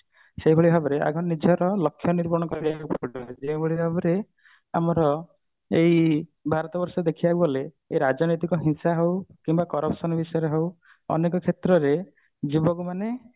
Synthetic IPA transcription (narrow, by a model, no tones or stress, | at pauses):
seɦibʱoɭibʱabɔɾea̰ɡʱɔnnid͡ʒʱɔɾɔlɔkʰːjɔniɾbɔɾɔɽ̃ɔkɔɾɾakupɔɔed͡ʒebʱoɭibʱabɔɾe | amɔɾɔ | eɦibʱaɾɔt̪ɔbɔɾsɔed̪ekʰiaubɔleː | ɾad͡ʒɔnojt̪ikɔɦĩsaɦewkimbakɔɾɔpsɔnɔbisɔjɔɾeɦew | ɔ̰nekɔkʰet̪ɾɔɾe | d͡ʒibɔkumane